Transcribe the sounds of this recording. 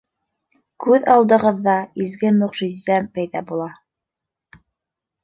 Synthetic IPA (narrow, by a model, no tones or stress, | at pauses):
kʉðɑlˠd̪ɤ̆ʁɤ̆ðːɑizɡɘmɵ̆ʁʒizæmpæjðɑbulˠɑ